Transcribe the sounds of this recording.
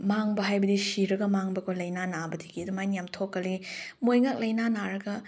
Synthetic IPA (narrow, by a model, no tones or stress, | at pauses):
maŋbɐɦajbɐdisiɾɐɡɐmaŋbɐkʰolɐjnanabɐdiɡiɐdumajnijamtʰokːɐlimojŋak̚lɐjnanaɾɐɡɐ